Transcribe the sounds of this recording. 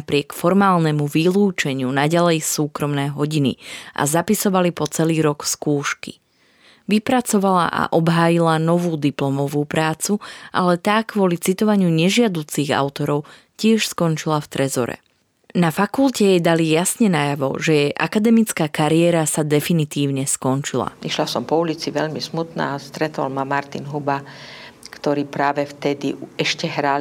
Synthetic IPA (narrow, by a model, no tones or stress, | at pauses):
pɾɪɛkfɔɾmaːlnɛmuʋiluːt͡ʃɛɲɪunaɟalɛjsuːkɾɔmnɛːɦɔɟinḭʔa̰zapisɔʋalipɔt͡sɛliːɾɔkskuːʃkḭ | ʋipɾat͡sɔʋala̰ʔa̰ʔɔbɦaːjilanɔʋuːd̪iplɔmɔʋuːpɾaːt͡suʔalɛt̪aːkʋʊɔlit͡sit̪ɔʋaɲɪuɲɛʒɪad̪uːt͡siɣa̰ʊt̪ɔɾɔʊ | cɪɛʃskɔnt͡ʃilaft̪ɾɛzɔ̰ɾɛ̰ | nafakulcɛjɛd̪alijasɲɛnajaʋɔ̰ʒɛjɛʔakad̪ɛmit͡skaːkaɾiɛːɾasad̪ɛfinit̪iːʊɲɛskɔnt͡ʃila̰iʃlasɔmpɔulit͡siʋɛʎmismut̪na̰st̪ɾɛt̪ɔ̰lmamaɾt̪inɦuba | kt̪ɔɾiːpɾaːʋɛft̪ɛd̪iɛʃcɛɦɾal